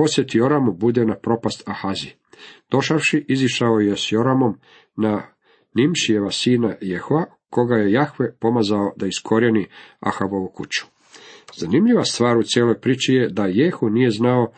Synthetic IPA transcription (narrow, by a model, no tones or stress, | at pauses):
po̞sje̞t̪ijo̞ɾamubud̪enapɾo̞past̪ʰaxazi | d̪̥o̞ʃaʋʃiʔiziʃaojesjo̞ɾamo̞m | na | nimʃijeʋasiːnajexoa | ko̞ɡaje̞jaxʋepo̞mazao̞d̪aiskʰo̞ɾjenia̰xabo̞ʋukut͡ɕu̥ | z̥animʎiʋast̪ʋaːɾut̪sjeːlo̞jpɾiːt͡ʃije̞d̪ajexunije̞znao̞